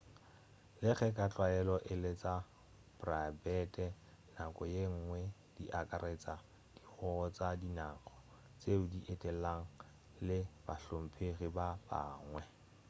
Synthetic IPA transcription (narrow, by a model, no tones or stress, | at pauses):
lɪχɛkʼat͡ɬʼwaɛlɔʔɪlet͡sa | b̥rabɛtʼɛ | nakʼɔjeŋ̩ːŋwɛ | d̥iʔakʼaɾet͡sa | d̥iχɔt͡sadinaːχʰɔ̥ | t͡seʊdiʔetʼɛlaŋ̩ | lɪb̥aɬom̩pʰeχibaba̰ːŋwɛ